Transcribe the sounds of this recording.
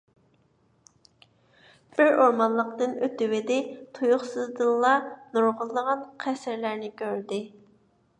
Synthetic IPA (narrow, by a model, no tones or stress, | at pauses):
b̥ɪɾoɾmɑnlˠəqt̪ɨnøt̪ɪwɪd̪ɪt̪ʰujuχsɨzd̪ɨlˠːɑnuɾʁəlˠːəʁɑnqʰɛsɪɾlæɾnɪkʲʰøɾd̪ɪ